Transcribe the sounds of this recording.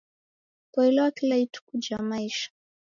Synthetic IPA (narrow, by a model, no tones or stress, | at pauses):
kwailɛwakilaitu̥kud͡ʒamaiʃḁ